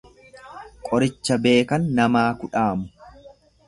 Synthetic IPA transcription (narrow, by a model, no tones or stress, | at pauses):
kʼɔɾɪt͡ʃːɐbe̞ːkɐnːɐmaːkʊᶑaːmʊ